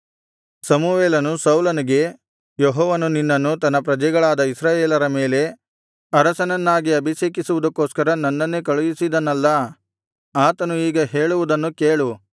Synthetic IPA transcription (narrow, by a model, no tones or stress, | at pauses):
sɐmuʋeːlɐnusɐwlɐniɡe̞ | joɦɔːʋɐnuninːɐnːut̪ɐnːɐpɾɐd͡ʒɛɡɐɭaːd̪ɐisɾaːjeːlɐɾɐme̞ːle̞ | ɐɾɐsɐnɐnːaːɡiɐbʱiʃeːkisuʋud̪ɐkːoːskɐɾɐnɐnːɐnːekɐɭujisid̪ɐnːɐlːɐ | aːt̪ɐnuiːɡɐɦeːɭuʋud̪ɐnːukeːɭu